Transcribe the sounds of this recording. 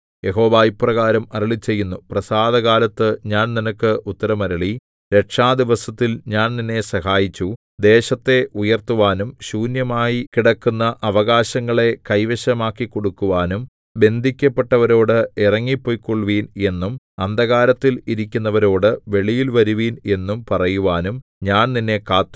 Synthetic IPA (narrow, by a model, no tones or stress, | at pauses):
je̞ɦo̞ːʋaːjiprɐɣaːɾɐmɐɾɐɭit͡ɕːe̞jːunːuprɐsaːd̪ɐɣaːlɐt̪ːɨɲaːnninɐkːɨʔut̪ːɐɾɐmɐɾɐɭi | ɾe̞ʈʂaːd̪iʋɐsɐt̪ːilɲaːnninːe̞sɐɦaːjit͡ɕːu | d̪e̞ːɕɐt̪ːe̞ujɐrt̪uʋaːnumɕuːnjɐmaːjikiɽɐkːunːɐʔɐʋɐɣaːɕɐŋːɐɭe̞kɐjʋɐɕɐmaːkːikːo̞ɽukːuʋaːnum | be̞nd̪ʱikʲːɐpːe̞ʈːɐʋɐɾo̞ːɽɨirɐŋːipːoːjkːoɭʋiːne̞nːum | ɐnd̪ɐɣaːɾɐt̪ːiliɾikʲːunːɐʋɐɾo̞ːɽɨʋe̞ɭijilʋɐɾuʋiːne̞nːumpɐrɐjuʋaːnumɲaːnninːe̞kaːt̪ːu